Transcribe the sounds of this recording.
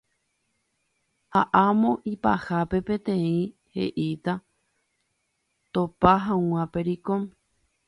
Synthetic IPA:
haʔamõ̞ʔipahape̞pẽ̞t̪ẽ̞ĩ | he̞̰ʔit̪a | t̪opaɦãw̃ãpe̞ɾikom

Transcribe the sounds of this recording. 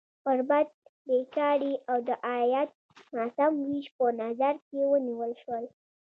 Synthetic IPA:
pəɾbad̪̚bekɑɽiawd̪əʔajat̪̚ | masamwiʃpənazaɾkewəniwəlʃwəl

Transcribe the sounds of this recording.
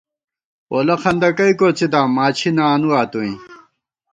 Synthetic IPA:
oːlɐxɐnd̪ɐkɐjkot͡sid̪aːmaːt͡ɕʰinaːnuaːt̪uĩ

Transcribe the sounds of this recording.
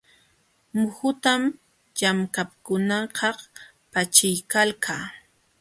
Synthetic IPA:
mʊhʊt̪am | jamkap̚kʊnɑɢɑ | pat͡ʃɪjkalkʰaː

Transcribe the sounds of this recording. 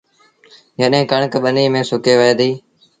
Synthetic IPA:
jəɗɦẽːkəɳkɓəniːmẽːsʊkeːʋəeːd̪iː

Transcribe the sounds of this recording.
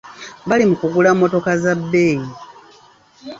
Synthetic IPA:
βalimukuɡulamːo̞to̞kazabːeːji

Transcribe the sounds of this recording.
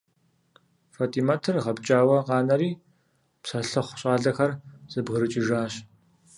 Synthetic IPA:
faːtʰʼiːmatʰɨrʁɐbt͡ʃʼaːwɐqɑːnɐɾiː | psɐɬɐχʷʊɕʼɑːɮɐxɐrz̥ɨbɣɨɾɨt͡ʃʼɪʒaːɕ

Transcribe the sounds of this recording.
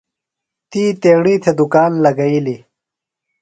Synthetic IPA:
t̪iːt̪eːɳiːt̪ʰed̪ukaːnlɐɡɐili

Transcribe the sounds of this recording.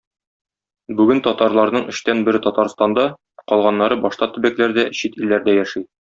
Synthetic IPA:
bʉɡɘnt̪ɒt̪ɑɾlˠɑɾnɤɴɘ̆ɕt̪ænbɘ̆ɾɘt̪ɒt̪ɑɾst̪ɑnd̪ɑ | qɒlˠʁɑnːɑɾɤbɒʃt̪ɑt̪ɘ̆bæklæɾd̪æɕit̪ilːæɾd̪æjæʃi

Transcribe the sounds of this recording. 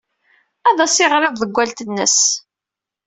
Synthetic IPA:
æðˤɑsɪʁɾˤɪððˤəɡʷːælt̪ənːə̰s

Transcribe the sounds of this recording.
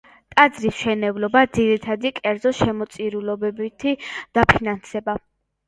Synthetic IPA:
t̪ʼad̪zɾisʃɛnɛvlɔbad̪ziɾit̪ʰad̪ikʼɛɾd̪zɔʃɛmɔt̪sʼiɾulɔbɛbit̪ʰid̪̥apʰinansɛba

